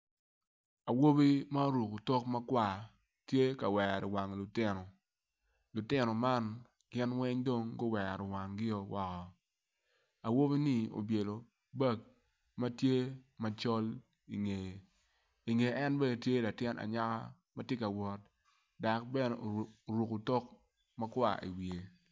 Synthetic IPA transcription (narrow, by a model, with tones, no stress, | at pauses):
a˨wo˦bi˦ma˦o˦ɾu˨kʊ˨tɔ˦kma˦kwa˨ | tje˦ka˨wɛ˨ɾɪ˨wa˨ŋlʊ˨tɪ˦nɔ˨ | lʊ˨tɪ˦nɔ˨ma˦n | ɡ̥ɪ˦nwɛ˦ɲdo˦ŋɡʊ˦wɛ˨a˨ɾɪ˨wa˨ŋɡɪ˦ɔ˨wʔɔ˨kɔ˨ | a˨wo˦βi˦ni˦˨o̰˨bje˨lo˨ | ba˦k̚ | ma˦tje˦ma˦t͡ʃɔ˦l | i˨ŋe˨ | i˨ŋe˨ɛ˦nbe˦˨tje˦la˨tjɪ˦nʔa̰˨ɲa˦ka̰˦ | ma˦tje˦ka˨wɔ˨t̚ | da˨k̚bɛ˦nɛ˨o˨ɾu˨ko˨tɔ˦k | ma˦kwa̰˦˨ḭ˨wje˨